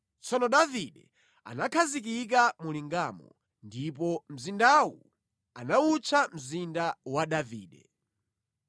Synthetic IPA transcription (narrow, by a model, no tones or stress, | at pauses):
t͡sɔnɔɗaviɗɛ | a̰nakʰazik̬ik̬amuliŋɡamɔ̰ | ndip̬ɔm̩zindawṵ | anaut͡ʃʰam̩zindawaɗaviːɗɛ